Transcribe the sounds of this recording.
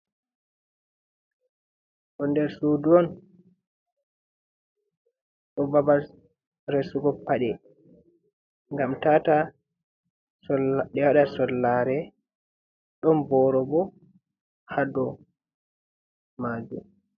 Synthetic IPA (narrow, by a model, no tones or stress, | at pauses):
ʔɔndɛɾsuduɔn | ʔɔbabal | ɾesuɡɔpːaɗɛ | ŋɡamtata | sɔɗɛwaɗasɔlːaɾɛ | ɗɔmbɔɾɔbɔ | hadɔ | maːd͡ʒum